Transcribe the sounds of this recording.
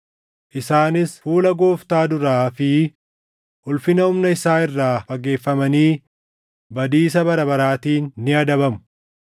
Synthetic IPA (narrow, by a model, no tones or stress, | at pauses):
ʔɪsaːnɪsfuːlɐɡoːft̪aːd̪ʊɾaːfɪ | ʔʊlfɪnɐʊmnɐɪsaːɪrːaːfɐɡe̞ːfːɐmɐniː | bɐd̪iːs̬ɐbɐɾɐbɐɾaːt̪iːnːɪɐd̪ɐbɐmʊ̥